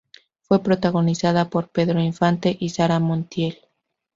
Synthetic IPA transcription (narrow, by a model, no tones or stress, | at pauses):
fwe̞pɾo̞t̪aɣo̞nisaðapo̞ɾpe̞ðɾo̞iɱfant̪e̞ʔisaɾamont̪je̞l